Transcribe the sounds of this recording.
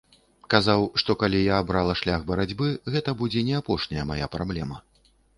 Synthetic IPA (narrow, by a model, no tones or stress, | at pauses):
kazawʂt̪ɔkalʲijaːbɾalˠɐʂlʲaɣbɐɾad͡zʲbɨɣɛt̪ɐbud͡zʲɛnʲɛapɔʂnʲɐjɐmaja̰pɾablʲɛmɐ